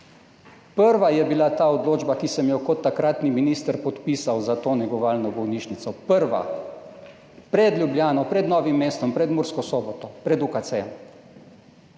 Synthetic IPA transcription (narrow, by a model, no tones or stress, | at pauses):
pəɾʋajɛbilat̪aːɔd̪loːd͡ʒbakisɛmjɔkɔt̪ːakɾaːt̪niminiːst̪ɾpɔt̪piːsawzat̪oːnɛɡɔʋaːlnɔbɔwniːʃnit̪sɔpəɾʋa̰ | pɾɛd̪lʲjubljaːnɔpɾɛd̪nɔːʋimːeːst̪ɔmpɾɛd̪muɾskɔsɔːbɔt̪ɔpɾɛd̪ukasɛːɛm